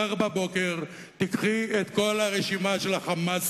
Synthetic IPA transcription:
aʁbabo̞ke̞ʁ | t̪ikχiet̪ko̞lhaʁeʃimaʃe̞laχamas

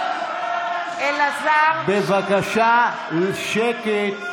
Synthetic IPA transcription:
elazabevakaʃa | lʃeke

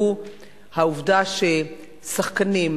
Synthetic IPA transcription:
u | hauvdaʃe | saχkanim

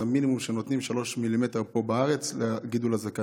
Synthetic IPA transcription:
aminimumʃenot̪nimʃalo̞ʃmilime̞te̞ʁpo̞baaʁe̞t͡sleɡid̪ulazaka

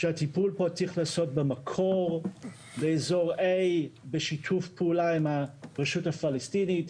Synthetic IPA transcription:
ʃehatipulpo̞t͡siχlaːso̞t̚bemakʰo̞ʁ | beezo̞ʁejbeʃitʰufpeulaimhaʁeʃuthafalestinit

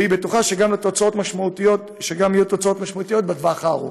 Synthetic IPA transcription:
ibet̪uχaʃeɡamlet̪ot͡sao̞t̪maʃmaut̪ijot | ʃeɡamijut̪ot͡sao̞t̪maʃmaut̪ijo̞t̪̚bad̪vaχaʁṵ

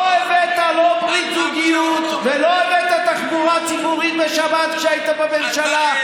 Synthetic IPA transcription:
evet̪alo̞bʁit͡suɡijut̪velo̞evet̪at̪aχbuʁat͡sibuʁitbeʃabat̪ʃeajit̪abemenʃala

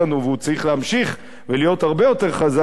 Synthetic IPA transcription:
anuveut͡saʁiχleamʃiχ | velijo̞thaʁbe̞jo̞te̞ʁχaza

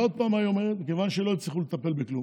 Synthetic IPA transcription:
o̞d̪̚paːmajomemike̞vanʃelo̞it͡sliχulet̪ape̞lbeklu

